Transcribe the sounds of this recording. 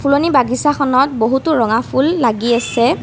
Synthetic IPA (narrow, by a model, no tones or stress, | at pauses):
pʰulonibaɡisaxɔnɔt̚boɦutuɹɔŋapʰulːaɡiasɛ